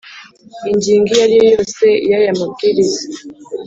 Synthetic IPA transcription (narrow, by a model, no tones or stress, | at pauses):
iɲd͡ʒiŋɡialiɔjɔsɛjajamakiɾisi